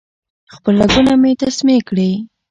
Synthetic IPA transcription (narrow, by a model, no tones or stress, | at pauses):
xpəlːaɡunamet̪asmekɽi